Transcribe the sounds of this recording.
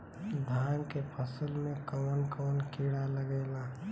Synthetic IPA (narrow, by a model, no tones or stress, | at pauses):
d̪ʱaːnkepʰəsəlmẽkɔːənkɔːnkɪɽaləɡeːlaː